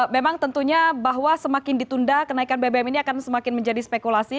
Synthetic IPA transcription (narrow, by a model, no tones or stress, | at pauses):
memaŋt̪ənt̪uɲabaɦwasəmakɪndit̪undakənaikanbebɛminiakansəmakɪnməɲd͡ʒadispekulasi